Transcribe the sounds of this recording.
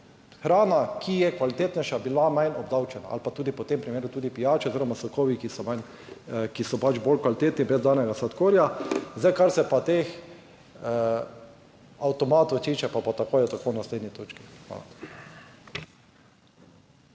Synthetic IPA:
xɾaːnakʰijɛkʋalit̪eːt̪nɛjʃabilamajnɔbd̪awt͡ʃɛna̰a̰lpat̪uːd̪ipɔt̪empɾimeːɾut̪uːd̪ipijaːt͡ʃɛoziːɾɔmasɔkɔːʋikisɔmajn | kisɔpat͡ʃbolkʋalit̪eːt̪nibɾɛzd̪aːnɛɡasat̪koːɾjazajkaɾsɛpat̪ex | awt̪ɔmaːt̪ɔt̪iːt͡ʃɛpapat̪akoːjɛt̪akoːwnasleːd̪nit̪oːt͡ʃki̥xʋa̰la̰

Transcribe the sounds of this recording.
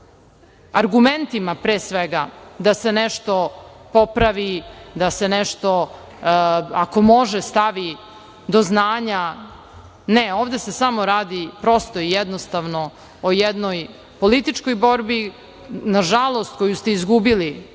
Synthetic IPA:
aɾɡument̪imapɾeːsʋeɡad̪ase̞neʃt̪o̞po̞pɾaʋid̪ase̞nɛʃt̪o̞ | ako̞mo̞ʒest̪aʋi | d̪oznaːɲa | neoːʋd̪ese̞samoɾaːd̪ipɾo̞st̪o̞ijɛd̪nost̪aʋno̞ | ojɛd̪noj | polit̪it͡ʂko̞jbo̞ɾbi | naʒalˠo̞st̪̚ko̞just̪e̞izɡubili

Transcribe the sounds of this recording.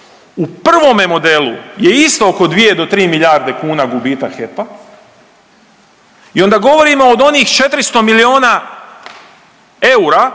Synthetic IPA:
upr̩ʋo̞me̞mo̞d̪e̞lṵje̞ist̪o̞oko̞d̪ʋije̞d̪o̞t̪ɾiːmiʎaːɾd̪ekuːnaɡubiːt̪axe̞pa | io̞nd̪aɡo̞ʋo̞ɾimo̞ːd̪o̞niːxt͡ʃe̞t̪ɾist̪o̞milio̞ːna | e̞uɾa

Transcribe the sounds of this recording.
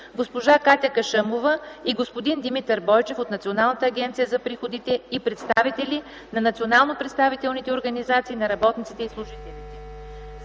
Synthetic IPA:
ɡospoʒakat̪ʲəkɐʃəmovəiɡospod̪ind̪imit̪əɾbɔjt͡ʃɛfot̪nɐt̪sionalˠnət̪əːɡʲɛnt̪sijəzɐpɾixod̪it̪ɛipɾɛt̪st̪avit̪ɛlʲi | nɐnɐt̪sionalˠnopɾɛt̪st̪avit̪ɛlˠnit̪ɛoɾɡɐnizat̪siːnɐɾɐbɔt̪nit̪sit̪ɛislˠʊʒit̪ɛlit̪ɛ

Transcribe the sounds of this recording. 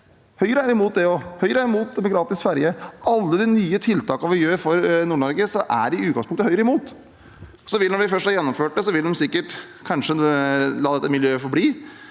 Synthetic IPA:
hœʏəɾəæɾɪmuːt̪̚d̪ɛɔhœʏəɾəæɾɪmuːt̪̚d̪ɛmɔɡɾɑːt̪ɪsfæɾjəʔɑlːəd̪ɛnyːət̪ʰɪlt̪ʰɑːkəɑʋmɪljøːəɾfɔɾnuːɳɔɾɡəsɔʔæ̰ɖɪʉːɡɑŋspʊŋt̪əhœʏəɾəɪmuːt̪ | sɔʋɪnɔɾʋɪfœʂʈhɑːjɛnːɔmføːʈ̚d̪ɛsɔʋɪld̪ɛmsɪkːəʈ | kʰɑnʂəlɑːd̪ɛt̪ːəmɪljøːfɔɾbliː

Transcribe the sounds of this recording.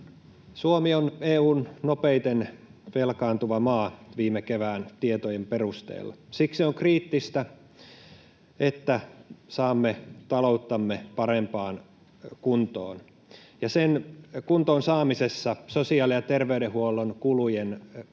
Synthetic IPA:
suomioneːuːnnopeit̪enʋelkɑːnt̪uʋɑmɑːʋiːmːekeʋæːnt̪iet̪ojemperust̪ḛːlːɑ̰siksioŋkriːt̪ːist̪æ | et̪ːæsɑːmːet̪ɑlout̪ːɑmːepɑɾempɑːn | kunt̪o̰ːn | jɑsenkunt̪oːnsɑːmisesːɑsosiɑːlijɑt̪erʋeyɾehuolːˑonkulujen

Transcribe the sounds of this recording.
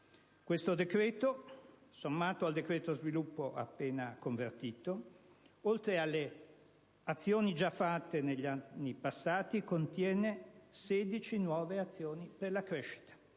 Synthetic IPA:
kwest̪od̪ekɾɛːt̪osomːaːt̪oald̪ekɾeːt̪ozvilupːoʔa̰pːeːnakoɱvert̪iːt̪o | olt̪ɾealːe | at̪sːjoːnid͡ʒafːat̪ːeneʎːanːipasːaːt̪ikont̪jɛːneseːd̪it͡ʃinwɔːveat̪sːjoːniperlakɾɛʃːi̥t̪ḁ

